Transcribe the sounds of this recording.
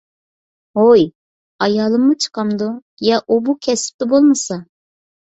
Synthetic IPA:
ɦoj | ɑjɑːlˠɨmːut͡ʃʰə̥qɑmd̪u | jɑʔubukʲʰɛsɪ̥p̚t̪ɪbolˠmɨsɑ

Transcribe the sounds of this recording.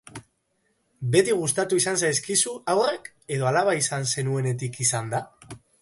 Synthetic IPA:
be̞t̪iɣ̞ust̪at̪uisansajs̬kisuawre̞k | e̞ðo̞alaβaisanse̞nue̞ne̞t̪ikisand̪a

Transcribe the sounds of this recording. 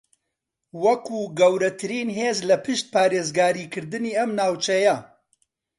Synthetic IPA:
wɐkuːɡɐwɾɐt̪ʰɨɾiːnɦeːzlɐpʰɨʃt̪̚pʰaːɾeːzɡaːɾiːkʰɨɾd̪ɨniːɐmnaːwt͡ʃʰɐjɐ

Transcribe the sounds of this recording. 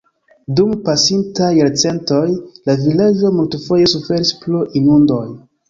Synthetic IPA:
dumpasintajaɾt͡se̞nto̞jlavilad͡ʒo̞multefo̞je̞sufe̞ɾisploʔinundo̞j

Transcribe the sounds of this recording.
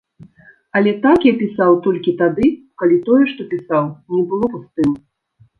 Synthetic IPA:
ɐlʲɛt̪akjapʲisawt̪ɔlʲkʲit̪ad̪ɨ | kalʲit̪ɔjɛʂt̪ɔpʲisawnʲɛbɨlˠɔpust̪ɨm

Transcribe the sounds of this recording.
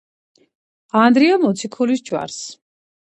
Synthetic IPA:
and̪ɾiamɔt̪sʰikʰɔlisd͡ʒʼwa̰ɾs

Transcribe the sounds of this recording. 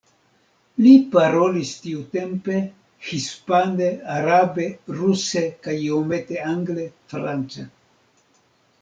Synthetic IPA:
lipaɾo̞listiut̪e̞mpe̞ | hispaneaɾabeɾusekajomet̪eaŋɡlefɾant͡sa

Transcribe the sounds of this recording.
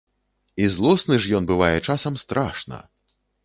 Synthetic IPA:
izlˠɔsnɨʐjɔnbɨvajɛt͡ʂasɐmst̪ɾaʂnɐ̰

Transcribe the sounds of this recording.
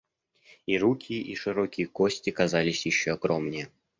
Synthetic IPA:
iɾukʲʰijʔiʂɨɾokʲɪjəkosʲtʲɪkɐzalʲɪsʲjɪɕːoɐɡɾomnʲɪjə

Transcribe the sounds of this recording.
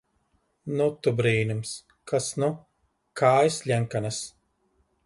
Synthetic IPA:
nut̪ubɾiːnʲums | kasnu | kʰaːjslʲɛŋkanas

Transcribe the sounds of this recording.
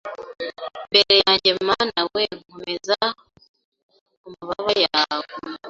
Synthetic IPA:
mbeɾe̞jaːɲɟemanawehomeza | umuβaβajaβo

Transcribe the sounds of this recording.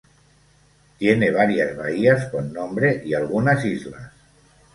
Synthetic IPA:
t̪jeneβ̞aɾiazβa̰iaskonːombɾeʔialˠɣunazizla̰s

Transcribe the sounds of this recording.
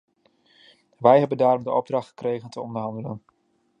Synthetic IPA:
ʋɛjɦɛbəndaːɾɔmdəʔɔb̚drɑχtχə̥krejχəntəɔndərɦɑndələ̰n

